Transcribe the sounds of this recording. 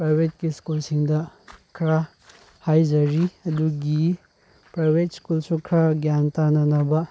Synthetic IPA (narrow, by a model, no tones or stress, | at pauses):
pɾajbʱet̚kiskulsiŋdɐkʰɾa | hajd͡ʒɐɾiɐduɡi | pɾajbʱetskulsukʰɾaɡjantanɐnɐbɐ